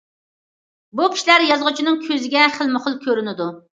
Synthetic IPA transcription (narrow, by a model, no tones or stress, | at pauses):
bukʲi̥ʃlæɾjɑzʁʊt͡ʃʰinɨŋkʲʰøzɪɡʲɛχəlˠmɨχəlˠkʲʰøɾynɪd̪u